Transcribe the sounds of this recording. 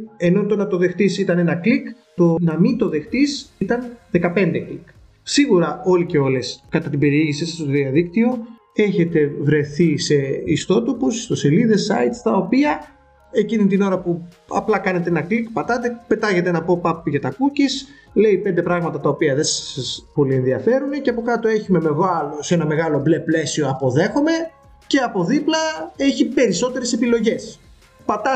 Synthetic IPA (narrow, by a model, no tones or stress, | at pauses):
e̞no̞t̪o̞nɐt̪o̞ðe̞xt̪isit̪ɐne̞nɐklik | t̪o̞nɐmint̪o̞ðe̞xt̪isit̪ɐnðe̞kɐpe̞nd̪eklik | siɣuɾɐo̞lice̞o̞le̞skɐt̪ɐt̪ibe̞ɾieʝisisst̪oðiɐðikt̪io | e̞çe̞t̪e̞vɾe̞θise̞ist̪o̞t̪o̞pusi̥st̪o̞seliðe̞sɐjt̪st̪ɐo̞piɐ | e̞cinit̪ino̞ɾɐpu | ɐ̰plɐkɐne̞t̪eenɐklikpɐt̪ɐt̪e̞pe̞t̪ɐʝe̞t̪enɐpo̞pɐpːʝɐt̪ɐkucis | le̞ipe̞nd̪epɾɐɣmɐt̪ɐt̪ɐo̞piɐðessɐspo̞lie̞nðiɐfe̞ɾune̞ceɐpo̞kɐt̪o̞e̞çumemevɐlose̞nɐme̞ɣɐlo̞bleplesio̞ɐpo̞ðe̞xo̞me̞ | ce̞ɐpo̞ðiplɐe̞çipe̞ɾiso̞t̪e̞ɾe̞se̞pilo̞ʝe̞s | pɐt̪ɐ